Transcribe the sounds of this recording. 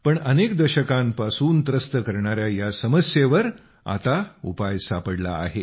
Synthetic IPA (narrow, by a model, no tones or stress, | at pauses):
pəɳənekd̪əɕəkãmpasuːnt̪ɾəst̪əkəɾɳaɾjajasəməsjeʋəɾ | a̰t̪aṵpajsapəɽla̰ːɦe